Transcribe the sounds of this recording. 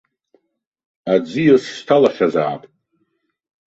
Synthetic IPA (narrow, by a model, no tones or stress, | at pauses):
ad͡zijasːtʰalaχʲaza̰ːpʼ